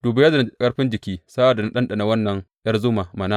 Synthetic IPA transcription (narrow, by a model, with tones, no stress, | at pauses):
d̥uː˨ba˦jɐ˦za˨n˨kʼɐ˦ɽɸɪ˦nd͡ʒɪ˨kʲiː˦sa˦ba˨da˨na˦ɗɐ˦nɗa˨na˨wɐ˦nːɐ˨ŋ | jɐ˦rzʊ˦ma˨mɐ˨naː˦